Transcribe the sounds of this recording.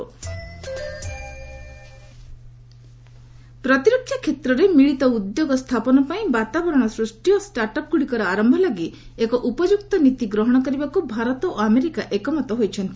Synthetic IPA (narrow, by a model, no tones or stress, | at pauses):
pɾɔt̪iɾɔkʰːjakʰːet̪ɾɔɾemiɭit̪ɔud̪joɡɔst̪ʰapɔnɔpaĩbat̪abɔɾɔɽ̃ɔsɾusʈijɔsʈaɾʈɔp̚ɡuɽikɔɾɔaɾɔmbʱɔlaɡi | ekɔʔupɔd͡ʒuk̚t̪ɔnit̪iɡɾɔɦɔɽ̃ɔkɔɾibakubʱaɾɔt̪ɔʔameɾikaʔekɔmɔt̪ɔɦojt͡ʃʰɔnt̪i